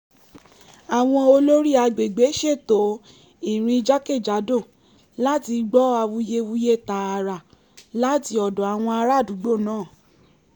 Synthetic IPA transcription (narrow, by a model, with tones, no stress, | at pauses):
a˨w̃ɔ̃˧o˧lo˦ɾi˦a˧ɡ͡be˨ɡ͡be˨˦ʃe˦˨to˨˦ | i˦˨ɾ̃ĩ˧d͡ʒa˦ke˦˨d͡ʒa˨˦do˦˨ | la˦ti˧ɡ͡bɔ˦a˧wu˧je˧wu˦je˦˨ta˨˦a˧ɾa˨ | la˦ti˧ɔ˨dɔ̃˨a˨w̃ɔ̃˧a˧ɾa˦˨du˨˦ɡ͡bo˦˨nãː˦˨